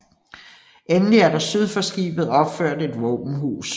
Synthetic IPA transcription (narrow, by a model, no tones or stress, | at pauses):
ʔenliæɐɾɑ̈syð̞ˠfɒ̽sɡ̥ḭːb̥ð̩ˠɒ̽b̥føɐ̰d̥e̝d̥ʋɔːb̥n̩ɦṵːs